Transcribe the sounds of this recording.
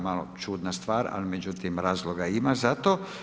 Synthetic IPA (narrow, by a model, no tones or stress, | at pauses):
malo̰t͡ʃuːd̪nast̪ʋaːɾa̰limed͡ʒut̪imɾaːzloɡaimazat̪o